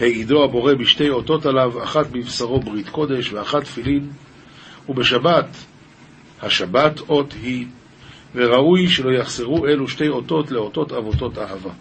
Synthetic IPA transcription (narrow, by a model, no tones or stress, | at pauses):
heido̞abo̞ʁe̞miʃte̞jo̞to̞talavaχatmivsaʁo̞bʁit̪ko̞d̪e̞ʃveaχatfilin | ubeʃabat | haʃabato̞thi | ve̞ʁaujʃe̞lo̞jaχseʁuʔe̞luʃte̞jo̞to̞tle̞o̞to̞tavo̞to̞taɦava